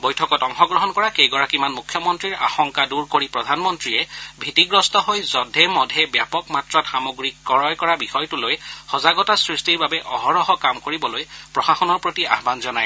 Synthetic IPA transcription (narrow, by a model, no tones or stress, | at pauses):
bojtʰɔkɔtɔŋxɔɡɹɔɦɔnkɔɹakejɡɔɹakimanmukʰːjɔmɔntɹiɹa̰xɔŋkaduɹkoɹipɹɔdʱanmɔntɹijɛbʱitiɡɹɔstɔɦojzɔdʱɛmɔdʱɛbjapɔkmatɹɔtxamoɡɹikːɔɹɔjkɔɹabixɔjtulojxɔzaɡɔtasɹistiɹbabɛʔɔɦɔɹɔɦɔkamkoɹibɔlojpɹɔxaxɔnɔɹpɹotia̰ɦbanzɔnaj